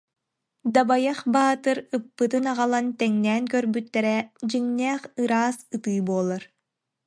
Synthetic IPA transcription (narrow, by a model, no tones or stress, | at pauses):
d̪abajaχbaːt̪ɯɾɯpːɯt̪ɯnaʁalˠant̪ɛŋnɛːnkœɾbyt̪ːɛɾɛd͡ʑiŋnɛːχɯɾaːsɯt̪ɯːbuɔlˠaɾ